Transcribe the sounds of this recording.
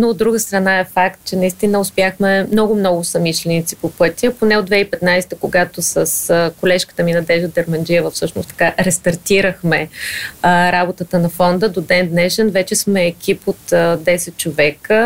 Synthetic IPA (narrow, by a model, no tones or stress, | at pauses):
noːd̪ːɾuɡəst̪ɾɐnaɛfak̚t̪̚t͡ʃɛnɐist̪inəʊspʲjaxmɛmnɔɡʊmnɔɡʊsɐmiʃlɛnit̪si̥popɤt̪ʲiəponɛod̪vɛipɛt̪najsɛ̥t̪əkoɡat̪osəskolɛʃkə̥t̪əminɐd̪ɛʒəd̪ɛɾmɐnd͡ʒiəvəfsɤʃnʊ̰st̪ɐ̥kaɾɛst̪ɐɾt̪iɾəxmɛ | ɾabot̪ət̪ənɐfɔnd̪əd̪od̪ɛnd̪nɛʃɛnvɛt͡ʃɛsmɛːkʰʲipot̪d̪ɛsɛt̪̚t͡ʃovɛkə